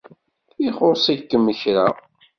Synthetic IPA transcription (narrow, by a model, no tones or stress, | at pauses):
iχoɾsˤikːəmːəçɾa